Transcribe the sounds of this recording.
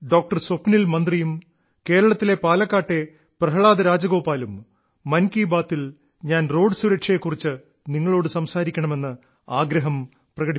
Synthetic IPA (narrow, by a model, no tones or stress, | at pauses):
ɖo̞ːk̚ʈɐrsopːnilmɐnd̪rijum | ke̞ːɾɐɭɐt̪ːile̞paːlɐkːaːʈːe̞ | prɐɦɐɭaːd̪ɐɾaːd͡ʑɐɣo̞ːpːaːlumː | ɐnkiːbaːt̪ːil | ɲaːnro̞ːɖɨsuɾɐkʂɐjekːurit͡ɕːɨ | niŋːɐɭo̞ːɽɨsɐmsaːɾikʲːɐɳɐme̞nːɨ | aːɡɾɐɦɐm | prɐɣɐɽi